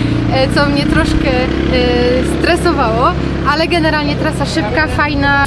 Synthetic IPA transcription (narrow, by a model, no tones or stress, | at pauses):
t̪sɔmɲɛt̪ɾɔʂkɛ | st̪ɾɛsɔvawɔ | alɛɡɛnɛɾalɲɛt̪ɾasaʂɘp̚kafajna